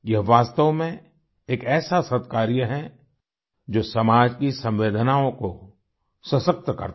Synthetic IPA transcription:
jɐɦʋaːst̪əʋmẽ | eːkɛːsasət̪kaːɾijəɦɛ̃ | d͡ʒoːsɐmaːd͡ʒkisɐ̃mʋeːd̪ʱənaːõko | səsək̚t̪kɐ̰ɾt̪

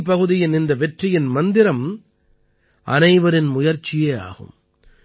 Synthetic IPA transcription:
p̬ːɐɣɯðɪjɪnɪnd̪ɐʋɛʈrɪjɪnmɐnd̪ɪɾɐm | ʔɐnɐɪʋɐɾɪnmʊjɐɾt͡ʃːɪjeːa̰ːɣɯ̰m

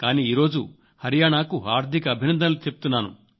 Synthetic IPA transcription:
kaːniːiːɾo̞ːd͡ʒṵ | hɐɾijaːɳaːkuaːɾd̪ʱikɐːbʱinɐnd̪ʱɐlut͡ʃe̞pu̥t̪unːaːnṵ

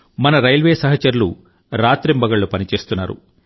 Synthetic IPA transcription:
mɐnɐɾɐjlʋeːsɐɦɐt͡ʃɐɾulṵ | ɾaːt̪ɾimbɐɡɐɭːupɐnit͡ʃe̞ːst̪unːaːɾṵ

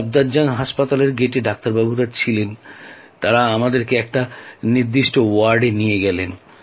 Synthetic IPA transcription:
b̚d̪ad͡ʑanɦaʃpat̪aleɾɡeʈeɖak̚t̪aɾbabuɾat͡ɕʰilent̪aɾaamad̪eɾkeɛk̚ʈaniɾd̪iʃʈowaɾɖenijeɡɛlen

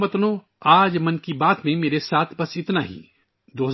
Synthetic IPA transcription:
mɐt̪nõ | aːd͡ʒmɐnkibaːt̪mẽmeːɾesaːt̪ʰbɐsɪt̪naɦḭː | d̪oːɦɐz

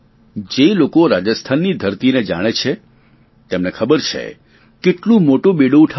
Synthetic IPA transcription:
d͡ʒelokoɾad͡ʒəst̪ʰanːid̪ʱəɾt̪ined͡ʒa̰ɽ̃et͡ʃʰe | t̪emnekʰəbəɾt͡ʃʰḛ | keʈlũmoʈũɓeɽõʈʰ

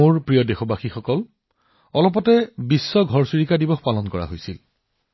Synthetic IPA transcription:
oɹpɹijɔdexɔbaxixɔkɔl | ɔlɔp̬ɔtɛbisːɔɡʱɔɹsiɹikadibɔxpalɔnkɔɹa̰ɦojsil

